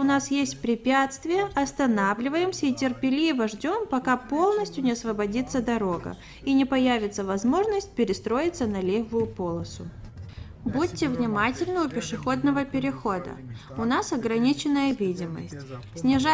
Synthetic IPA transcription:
ʊnasjesʲt̚ʲpɾʲɪpʲat̪st̪vʲɪjəʔɐst̪ɐnavlʲɪvəjɪmsʲəitʲɪrpʲɪlʲivəʐdʲo̞mpɐkapo̞lˠnəsʲtʲjʊnʲɪɐsvəbɐdʲit̪səd̪ɐɾo̞ɡə̰ | inʲɪpɐjævʲɪt̪səvɐzmo̞ʐnəsʲt̚ʲpʲɪɾʲɪst̪ɾo̞jɪt̪sənɐlʲevʊjʊpo̞lˠəsʊ | but̚ʲtʲːɪvnʲɪmatʲɪlʲnəʊpʲɪʂɨxo̞d̪nəvəpʲɪɾʲɪxo̞d̪ə̰ | ʊnasɐɡɾɐnʲit͡ɕɪnːəjəvʲidʲɪmə̰sʲtʲsʲnʲɪʐa

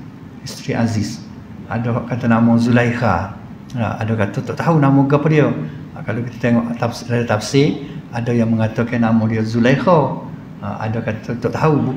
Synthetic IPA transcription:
ist̪ɾiʔazis | adohʔkat̪anamɔzulajxa̰ | a̰dokat̪ot̪ɔʔt̪aunamoɡapadio | kalokit̪ḁt̪eŋɔʔt̪apsladat̪apsiadojaŋməŋat̪ɔkanamɔdiozulajxo̰ | a̰dokat̪ot̪ɔʔt̪aubu

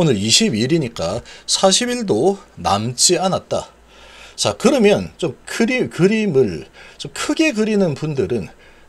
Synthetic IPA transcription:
onɯɾiɕʰibiɾiɲik͈asʰaɕʰibiɭdona̰mt͡ɕ͈ianat̚t͈a̰ | t͡ɕakɯɾʌmjʌnt͡ɕomkʰɯɾikɯɾimɯɭt͡ɕomkʰɯɡe̞kɯɾinɯnpundɯɾɯn

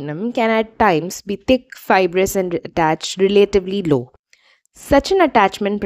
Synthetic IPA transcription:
nə̃mkɛ̃næʈːãɪ̃mzbiːt̪ɪkfaɪbɾəsɛ̃ɳɖəʈæt͡ʃʈɾɪleʈɪʋliloː | sɐt͡ʃə̃nəʈæːt͡ʃmə̃ɳʈ̚p

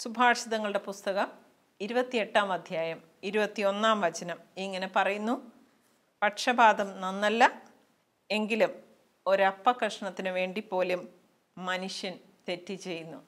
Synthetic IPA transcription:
subʱaːʂiðɐŋːɐɭɨɽe̞pust̪ɐɣɐm | iɾubɐt̪ːie̞ʈːaːmɐd̪ʱjaːjɐm | iɾubɐt̪ːio̞nːaːmʋɐd͡ʑɐnɐmiŋːɐne̞pɐrɐjunːu | pɐʈʂɐbaːd̪ɐmnɐnːɐlːɐ | e̞ŋɡilum | o̞ɾɐpːɐkrɐʂɐɳɐt̪ːinɨʋe̞ːɳɖipːo̞ːlumː | ɐnuʂjɐn | t̪e̞tːit͡ɕe̞jːunːu

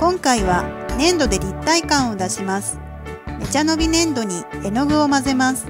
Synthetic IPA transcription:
kõ̞ŋkaiβ̞anẽ̞nd̪o̞d̪e̞ɾʲit̪ːaikãɰ̃o̞d̪aɕimasɨ̥ | me̞t͡ɕano̞bʲinẽ̞nd̪o̞ɲ̟ie̞no̞ɡɯ̟o̞maze̞masɨ̥

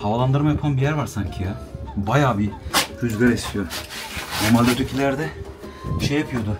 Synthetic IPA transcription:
havalˠand̪ɯɾmajapʰanbijæɾvaɾsaɲcʰijabajaːbiyzɡaɾest̪ʰijonoɾmalʲd̪at̪ʰyɾcʰilʲæɾd̪ɛ | ʃejapʰɯjo̞d̪ʊ

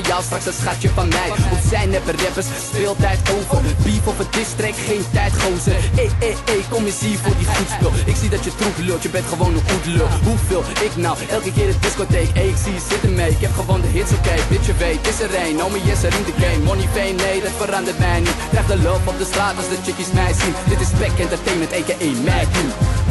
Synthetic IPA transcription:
jɑwstrɑksətsχatjəfɑnmɛjɔpsɛjnɛpərɛpəsspɪːlˠtɛjtowvəbifɔfədɪstrɛkχejntɛjtχowsə | ejkːomɪsifʊːdiχutspɪlˠɪksidɑtjətrufløtjəbɛntχəʋownəχutløɦuvɪːlˠɪknɑwʔɛlˠkəkɪːɾət̚dɪskotejkejɪksiəz̥ɪtənmɛjɪkɦɛpχəvɔndəɦɪtsokɛjbɪtt͡ʃəvɛjtɪsərɛjnɔwməjɛsəɾindəklɛjnmɔnifɛjnːejdɑtfəɾɑndərtmɛjnitlɛχdəlɔfɔp̚dəstraːtɑlˠsdɑt͡ʃəkismɛjsindɪtɪspɛkɛntətejməntɛjkəʔejnmɛjdun

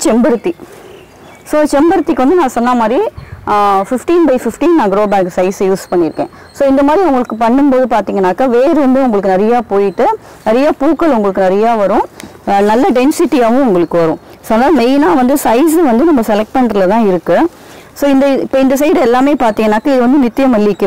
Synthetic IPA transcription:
t͡ʃɛmbɐɾɯt̪ːi | soːt͡ʃɛmbɐɾɯt̪ːikːɯʋɐnd̪ɯnãːsɔnːaːmaːd̪ɾi | fɪfʈiːnbɐɪfɪfʈiːnnãːɡɾoːbaːksɐɪsjuːspɐɳːɪɾɯkːḛ̃ː | soːɪnd̪ɐmaːd̪ɾiʊŋɡɐɭɯkːɯpɐɳːɯmpoːðɯpaːɾt̪iːŋɡɐnːaːkaːʋeːɾɯʋɐnd̪ɯʊŋɡɐɭɯkːɯnɪɾɐjaːpoːjɪʈːɯ | nɪɾɐjaːpuːkːɐɭʊŋɡɐɭɯkːɯnɪɾɐjaːʋɐɾʊ̃nɐlːɐɖɛnsɪʈːiaːʋʊ̃ʊŋɡɐɭɯkːɯʋɐɾʊ̃ | sɔnːaːɐmɛɪnaːʋɐnd̪ɯsɐɪs̬ɯʋɐnd̪ɯnɐmːɐsɛlɛk̚ʈ̚pɐɳɖɾɐlɐt̪ãːɪɾɯkːɯ | soːɪnd̪ɐɪpːoːɪnd̪ɐs̬ɐɪɽɛlːaːmeːpaːɾt̪iːŋɡɐnːaːkaːɪðɯʋɐnd̪ɯnɪt̪ːɪjɐmɐlːɪkːɯ

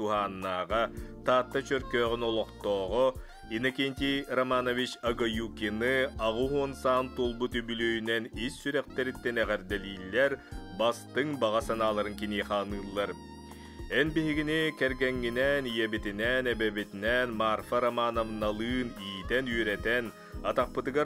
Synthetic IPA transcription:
t̪uɦaːnːaːʁat̪aːt̪ːat͡ʃœɾkøːʁynɔlˠɔqt̪ɔːʁɔ | inakinʲt̪ʲiɾɐmanɔvit͡ʃɐɡɔjukʲinɯaʁuɦuɔnsaːnt̪ulˠbut̪ybylœjynɛnisːyɾɛq̚t̪ɛɾit̪ːɛnɛʁɛɾd̪ɛliːlʲːɛɾbast̪ɯŋbaʁasanaːlˠaɾɯŋkiniːχaːnɯːlˠːaɾ | ɛnbiɦiɡinikɛɾɡɛŋːinɛnijɛbit̪inɛnɛbɛbit̪inɛnmarfaɾamanovnalˠɯːniːt̪ɛnyːɾɛt̪ɛn | at̪aq̚pɯt̪ɯɡa

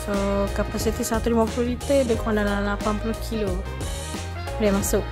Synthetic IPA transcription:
sokapasit̪isat̪uɾimɔpuɾit̪ebekãndalalapanpulukʰilo | ɾemasʊʔ̚

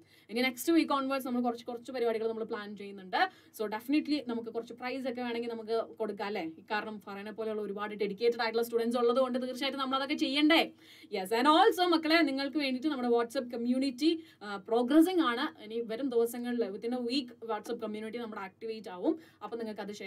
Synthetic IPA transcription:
inːɡine̞kstɨʋiːkːoːɳʋosnɐmːɐɭkurɐt͡ɕːɨ̥kurɐt͡ɕːupɐɾibaːɽiɣɐɭnɐmːɐɭpɭaːnt͡ɕe̞jːunːuɳɖɨ | so̞ːɖefiniʈlinɐmukːɨkurɐt͡ɕːɨprɐjs̬okːe̞ʋe̞ːɳe̞ŋɡilnɐmuk̬ːɨko̞ɽukːaːlːeikːaːɾɐɳɐmpɐrɐjnepːoleuɭːɐoɾubaːɽiɖeɽikʲːeːʈːɐɽaːjiʈ̬ːɭːɐstuːɽɐnʈs̬uɭːɐðɨko̞ɳɖɨt̪̬iːrt͡ɕːaːjiʈːɨnɐmːɐɭɐðokːe̞t͡ɕe̞jːɐɳɖe | jesɐnoːlsɐmːɐkːɐɭe̞niŋːɐɭkɨʋe̞ːɳɖiʈ̬ːɨnɐmːuɽe̞ʋaːʈsɐp̬̚kɐmjuːnitːi | pro̞ːɡrɐs̬iŋaːɳɨiniʋɐɾumd̪ɨːɐsɐŋːɐɭeʋɐt̪ːinːeʋiːkːʋaːʈsɐp̚kɐmjuːniʈːinɐmːɐɽeaːk̚ʈiʋejtːaːʋumɐpːoniŋːɐɭkɨɐðɨe

